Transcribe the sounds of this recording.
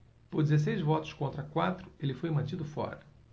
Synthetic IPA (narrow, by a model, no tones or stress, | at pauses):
poɾd͡ʒizes̬ejzvɔt̪ʊ̥skõnt̪ɾɐkwat̪ɾʊelɪfojmɐ̃t͡ʃid̪ʊfɔ̰ɾɐ